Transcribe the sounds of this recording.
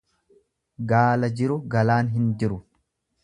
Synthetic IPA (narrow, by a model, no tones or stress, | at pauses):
ɡaːlɐd͡ʒɪɾʊɡɐlaːnɦɪnd͡ʒɪɾʊ